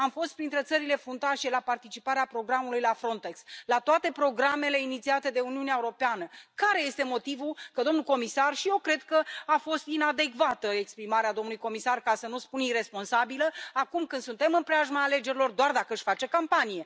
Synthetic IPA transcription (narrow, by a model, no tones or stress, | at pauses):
amfo̞st̪pɾint̪ɾe̞t̪səɾile̞fɾunt̪aʃe̞lapart̪it͡ʃipaɾeapɾo̞ɡɾamulujlafɾo̞nt̪e̞kslat̪oat̪e̞pɾo̞ɡɾame̞le̞init̪siat̪e̞d̪e̞uniuneaeuɾo̞peanəkaɾe̞je̞st̪e̞mo̞t̪ivulkəd̪o̞mnuko̞misarʃije̞wkɾe̞d̪kəafo̞st̪inad̪e̞kvat̪əe̞kspɾimaɾead̪o̞mnulujko̞misarkasənuspunire̞spo̞nsabiləakumkɨnd̪sunt̪e̞mɨnpɾeaʒmaːle̞d͡ʒe̞ɾilo̞rd̪oard̪akəɨʃfat͡ʃe̞kampanije̞